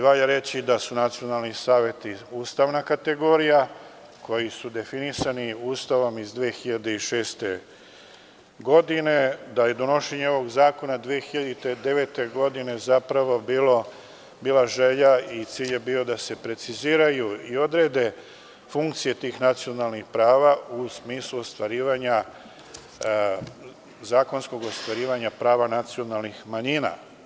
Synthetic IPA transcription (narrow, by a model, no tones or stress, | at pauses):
ʋaʎaɾe̞t͡ɕid̪asunat̪sijo̞nalˠnisaːʋje̞t̪iuːst̪aʋnakat̪e̞ɡo̞ːɾija | ko̞jisud̪e̞finisaniuːst̪aʋo̞mizd̪ʋeːxiʎad̪e̞iʃe̞ːst̪e̞ | ɡo̞d̪ine̞d̪aje̞d̪o̞no̞ʃe̞ɲeo̞ʋo̞ɡzaːko̞nad̪ʋiexiʎad̪it̪ed̪e̞ʋe̞t̪e̞ɡo̞d̪ine̞zapɾaʋo̞bilo | biːlˠaʒe̞ʎait̪siːʎje̞bio̞d̪ase̞pɾe̞t̪siziːɾajuio̞d̪ɾe̞d̪e̞ | fuŋkt̪sije̞t̪iːxnat̪sio̞nalnixpɾaːʋausmiːslˠuost̪ʋaɾiːʋaɲa | zaːko̞nsko̞ɡo̞st̪ʋaɾiːʋaɲapɾaːʋanat̪sio̞nalˠnixmaɲina̰